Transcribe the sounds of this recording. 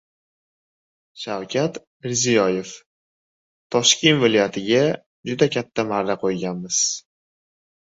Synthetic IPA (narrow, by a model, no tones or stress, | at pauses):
ʃawkʲʰat̪ | mɪɾzijɒje̞f | t̪ʰːɒʃkʲe̞nvɪlɒjat̪ʰɪɡʲa | d͡ʒʊd̪akʲʰat̪ʰːamaɾnaqʰojɡʲanmɪz̥